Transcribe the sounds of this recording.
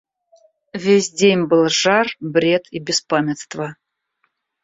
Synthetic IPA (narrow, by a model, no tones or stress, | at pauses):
vʲesʲdʲenʲbɨlˠʐarbɾʲe̞t̪ʰibʲɪspamʲɪt̪st̪və